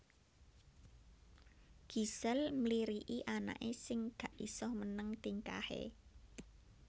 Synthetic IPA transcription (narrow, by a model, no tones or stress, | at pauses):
ɡ̥i̤səlmliɾiʔiʔana̰ʔesɪŋɡ̥ä̤ʔisɔhmənəŋt̪iŋka̰hḛ